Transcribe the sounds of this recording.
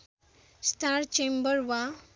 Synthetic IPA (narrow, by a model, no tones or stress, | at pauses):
staɾt͡ʃẽmbəɾʋa